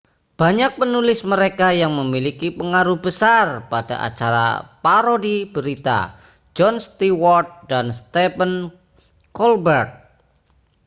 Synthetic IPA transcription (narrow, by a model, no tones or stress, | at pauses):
b̥a̤ɲak̚pənulɪsməɾekajaŋməmilikipəŋaɾuhbəsarpada̰ʔa̰t͡ʃaɾa̰paɾodib̥əɾit̪a̰ | d͡ʒɔnst̪iwɔrt̪̚danst̪epən | kɔlbərt̪̚